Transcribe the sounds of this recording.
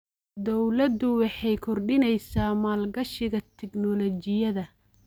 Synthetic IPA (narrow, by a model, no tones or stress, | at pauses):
d̪ɔwlɐd̪ʊwɑħɑjkʰɔrɖɪnɛjsaːmaːlɡɐʃɪɣɐt̪ʰɛɡnɔlɔt͡ʃɪjɐðɐ